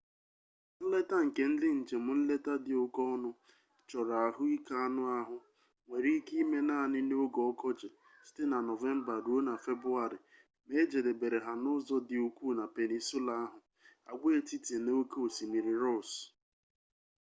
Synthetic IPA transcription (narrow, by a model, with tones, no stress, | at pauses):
n̩˦le˦ta˦ŋ̩˨ke˨n̩˦dɪ˦n̩˨d͡ʒe˨mʊ˨n̩˦le˦ta˦dɪ˨ʊ˦kɔ˦nʊ˦ | t͡ʃɔ˨ɾa˨ɦʊ˦i˦ka˦a˦nʊ˦a˦ɦʊ˨ | ŋʷe˨ɾi˦ki˦i˦me˦na˦˨nɪ˦no˦ɡɔ˨˦kɔ˦d͡ʒe˨ | si̥˦te˦na˨nɔ˨ve˦m̩˦ba˨ɾu˨˦o˦na˨fe˦bʊ˦a˨ɾɪ˨ | me˦d͡ʒe˨de˨be˨ɾe˨ɦa˨nʊ˦zɔ˦dɪ˨u˨kʷu˦˨na˨pe˨ni˨su˦la˨a˦ɦʊ˨ | a̰˨ɡʷe˦e˦˨ti˦te˨noo˦ko˦o˨si˨mi˨ɾi˨ɾɔ˦s